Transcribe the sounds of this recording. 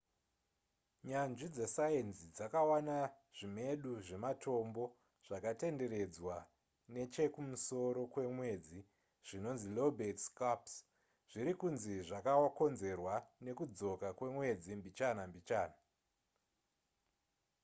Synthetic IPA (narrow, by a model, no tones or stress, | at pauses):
ɲanʐid͡ze̞saensid͡zakawana | ʐ̥ime̞ɗuʐe̞matʰo̞mbo̞ | ʐ̥akate̞nde̞ɾe̞d͡zwa | ne̞t͡ʃe̞kumuso̞ɾo̞kwe̞mwe̞d͡zi | ʐ̥ino̞nzilobetskaps | ʐ̥iɾikunziʐakaoko̞nze̞rwane̞kud͡zo̞kakwe̞mwe̞d͡zimbit͡ʃanambit͡ʃaːna